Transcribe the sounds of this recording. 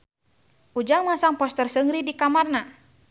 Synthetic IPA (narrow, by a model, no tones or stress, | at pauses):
ʔud͡ʒaŋmasaŋpɔst̪ərsəŋɾidikamarna